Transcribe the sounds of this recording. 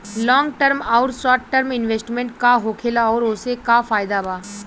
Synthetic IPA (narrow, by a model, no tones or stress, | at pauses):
lɔ̃ːŋɡʈəɾmaːɾsɔːɾʈʈəɾmɪnʋeːsʈmẽɳʈkaɦoːkʰelaɔːɾʊsekafaːjd̪abaː